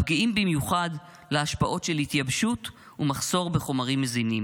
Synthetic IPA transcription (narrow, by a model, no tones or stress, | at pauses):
pɡiimbimjuχad | leaʃpaʔo̞tʃe̞lhit̪jabʃut | umaχso̞ʁbe̞χo̞maʁimːezinim